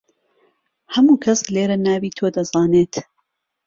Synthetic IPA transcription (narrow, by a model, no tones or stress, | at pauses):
hɐmuːkʰɐsleːɾɐnaːwiːt̪ʰoːd̪ɐzaːneːt̪